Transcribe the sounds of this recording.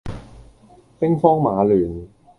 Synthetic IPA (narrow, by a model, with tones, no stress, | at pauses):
pɪ˥ŋfɔː˥ŋmaː˨˧lyː˨˩n